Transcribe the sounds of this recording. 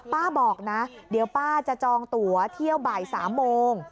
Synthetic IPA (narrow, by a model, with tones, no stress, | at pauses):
paː˥˩bɔː˨˩k̚na˦˥di˨˩˦əwpaː˥˩t͡ɕa˨˩t͡ɕɔː˧ŋt̪u˩˦ɐt̪ʰi˥˩əwbaː˨˩jsa̰ː˩˦mːoː˧ŋ